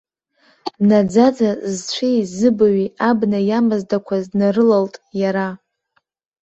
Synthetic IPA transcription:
nad͡zad͡zazt͡ʃʷʰezɨbaɥiabnajamazdakʷʰaznarɨlaltʼjaɾa

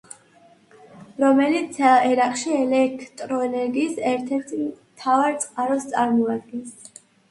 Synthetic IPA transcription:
ɾɔmɛlit̪sʰɛɾaqʼʃiɛlɛk̚ʰt̪ʼɾɔɛnɛɾɡiːsɛɾt̪ʰɛɾt̪ʰi | t̪ʰavaɾt̪sʼqʼaɾɔst̪sʼaɾmɔad̪̚ɡɛns

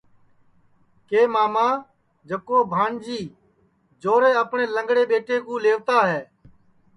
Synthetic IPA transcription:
keːmaːmaː | d͡ʒəkoːbʱaːɳd͡ʒiː | d͡ʒoːɾeːəpɳeːləŋɡɽeːɓeːʈeːkũːleːʋt̪aːɦɛː

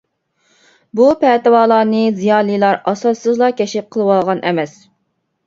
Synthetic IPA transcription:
bupʰɛːt̪ɨwɑːlˠɑːnɨzijɑːlˠijlˠɑɾɑsɑsːɨzlˠɑkʲɛʃɪp̚qʰəlˠɨwɑlˠʁɑnʔɛmɛs

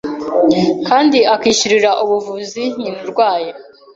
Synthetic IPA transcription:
kaːndiʔakiːʃuɾiɾaʔuβuvuziɲ̥inuɾɡwaːja

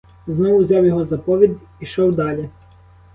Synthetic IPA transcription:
znɔʋʊwzʲɑwjɔɦɔzɐpɔʋʲid̪ʲ | iʃɔwd̪ɑlʲɛ

